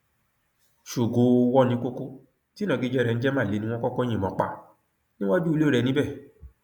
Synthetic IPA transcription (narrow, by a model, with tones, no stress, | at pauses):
ʃo˨ɡo˨˦˧wɔ˦nĩ˧˦ko˦ko˦ | ti˦nã˨˧˨ɡi˧˦d͡ʒɛ˦˨ɾɛ˧ñ̩˦d͡ʒɛ˦mãː˦˨le˨˦nĩ˧˦wɔ̃˦kɔ˦kɔ˦j̃ĩ˨mɔ̃˨k͡pa̰˨ | nĩ˦w̃a˦d͡ʒu˦i˧lo˦˨ɾɛ˧nĩ˨˦bɛ˦˨